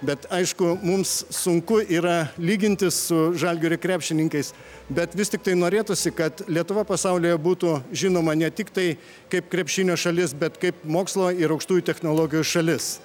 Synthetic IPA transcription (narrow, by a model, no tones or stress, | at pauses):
bʲɛt̪ɐɪʃkʊmʊmssʊŋkʊʔiːɾɐlʲiːɡʲɪnʲt̪ʲɪssʊʒɐlʲɡʲoːɾʲɪkɾʲæːpʲʃʲtʲɪnʲɪŋkɐɪs | bʲɛt̪ʋʲɪstʲɪk̚t̪ɐɪnoːɾʲeːt̪ʊsʲɪkɐt̪lʲiɛt̪ʊʋɐpɐsɐʊlʲoːjɛbuːt̪uʒʲɪːnoːmɐnʲɛt̪ʲɪkt̪ɐɪ | kɐɪp̚kɾʲɛpʲʃʲɪːnʲoːʃɐlʲɪsbʲɛt̪kɐɪpmoːkslˠoːɪɾɐʊkʃt̪uːjʊt̪ʲɛxnoːlˠoːɡʲɪjusʃɐlʲɪs